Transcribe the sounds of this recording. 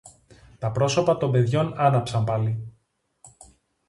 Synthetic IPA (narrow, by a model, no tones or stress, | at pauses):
t̪ɐpɾo̞so̞pɐt̪o̞mbe̞ðʝo̞nɐnɐpsɐmpɐli